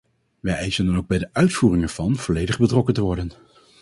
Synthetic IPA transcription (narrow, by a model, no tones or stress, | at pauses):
ʋɛjʔɛjsəndɑnowɡ̚bɛjdəʔœɥtfuːrɪŋɛɹv̥ɑnv̥ɔlejdəχbətrɔkəntəʋɔɹdən